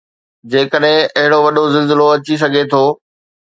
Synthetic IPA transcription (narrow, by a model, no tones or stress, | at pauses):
d͡ʑeːkəɗɦɪ̃ɐɦɪɽoʋɐɗozɪlzɪloɐt͡ɕis̬ɐɡʱet̪ʰoː